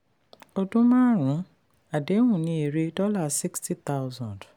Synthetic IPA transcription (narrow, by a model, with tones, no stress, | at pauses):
o˨dũ˦mã˦ɾ̃ũ˨˦ | a˨de˨˦wũ˨nĩ˦e˨ɾe˦dɔ˦la˦˨si˦ksti˦t̪a˦wzɔ̃˨nd